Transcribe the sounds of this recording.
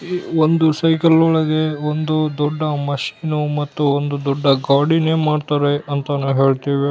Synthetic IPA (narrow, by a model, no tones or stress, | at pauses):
ond̪usɐjkɐlɔɭɐɡe̞ond̪ud̪ɔɖːɐmɐʃiːnumɐt̪ːuond̪ud̪ɔɖːɐɡaːɖineːmaːɖt̪aːɾeɐnt̪ɐnɐʋɦe̞ːɭt̪iːʋe